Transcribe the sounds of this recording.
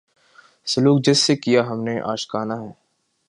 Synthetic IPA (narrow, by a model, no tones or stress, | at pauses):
sɐluːk̚d͡ʒɪsːekijaɦɐmneʔa̰ːʃkaːnaɦɛː